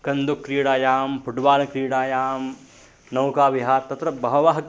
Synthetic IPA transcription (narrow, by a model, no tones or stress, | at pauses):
kɐnd̪ukːɾiːɽaːjaːmpʰuɖʋaːlɐkɾiːɽaːjaːm | nɐwkaːʋiɦaːɾt̪ɐt̪ɾɐbʱɐʋɐʋaːɦɐk